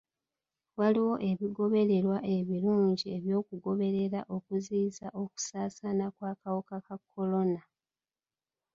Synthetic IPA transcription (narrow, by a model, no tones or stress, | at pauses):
waliwo̞ʔe̞βiɡo̞βe̞ɾe̞ɾwaʔe̞βiluːɲɟie̞βjo̞ːkuɡo̞βe̞ɾe̞ɾaʔo̞kuziːzaʔo̞ku̥saːsanakwaːkawokakakʰːo̞lo̞na